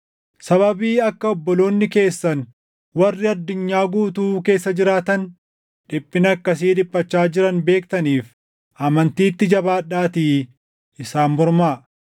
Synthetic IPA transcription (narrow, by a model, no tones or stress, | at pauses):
sɐβɐbiːɐkːɐɔbːɔlo̞ːnːɪke̞ːsːɐn | wɐrːɪɐd̪ːʊɲːaːɡuːt̪uːke̞ːsːɐd͡ʒɪɾaːt̪ɐn | ᶑɪpʼːɪnɐkːɐs̬iːᶑɪpʼːɐt͡ʃːaːd͡ʒɪɾɐnbe̞ːkt̪ɐniːf | ʔɐmɐnt̪iːt̪ːɪd͡ʒɐbaːᶑaːt̪iː | ʔɪsaːnmɔɾmaː